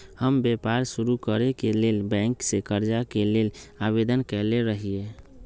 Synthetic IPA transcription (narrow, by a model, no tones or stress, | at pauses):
həmbepaɾsuɾukəɾekelelbɛ̃ŋksekəɾd͡ʒakelelabed̪ənkɛleɾəɦie